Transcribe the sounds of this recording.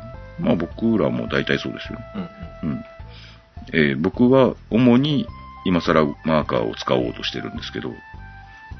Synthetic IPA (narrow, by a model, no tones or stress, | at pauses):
maːbo̞kɯ̟ɾamo̞̰d̪ait̪aiso̞ːd̪e̞sɨjo̞̰neɯ̟̃ɴ | ebo̞kɯ̟βao̞mo̞ɲ̟i | imasaɾamaːka̰ːo̞̰t͡sɨ̥kao̞̰ːt̪o̞ɕi̥t̪e̞ɾɯ̟̃nd̪e̞sɨ̥ke̞d̪o̞̰